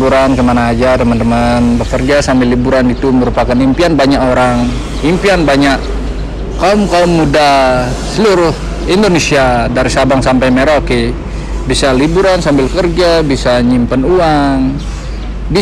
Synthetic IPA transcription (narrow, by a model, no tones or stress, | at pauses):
uɾankəmanaːd͡ʒat̪əmant̪əmanbəkərd͡ʒasambɪlːibuɾanit̪uməɾupakanimpianbaɲakoɾaŋ | impianbaɲak | kaumkaumːuda | səluɾʊh | indonesiadaɾisabaŋsampajmeɾoki | bisalibuɾansambɪlkərd͡ʒabisaɲimpanuaŋ | bi